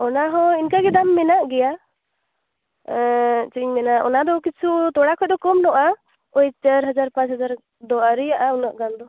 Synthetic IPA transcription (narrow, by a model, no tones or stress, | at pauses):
ɔnaɦɔ̃inkaɡɛd̪amːɛnaʔɡɛja | t͡ʃiɲmɛnaʔʔɔ̰nad̪ɔkit͡ʃʰut̪ɔɽakʰɔd̪ɔkɔmnɔʔa | ɔjt͡ʃəɾɦad͡ʒaɾpat͡ʃhad͡ʒaɾ | d̪ɔaɾijaʔaunaʔɡamd̪ɔ